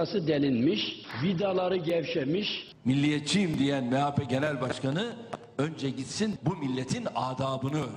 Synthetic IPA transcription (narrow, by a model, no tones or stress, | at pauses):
asɯd̪ɛlʲinmiʃvid̪alˠɑɾɯɟɛvʃɛmiʃ | milʲːijɛt̪t͡ʃʰimd̪ijænmɛaːfɛɟenælʲbaʃkanɯ | ønd͡ʒɛɟit̪sinbumilʲːet̪ʰinaːd̪aːbɯnɯ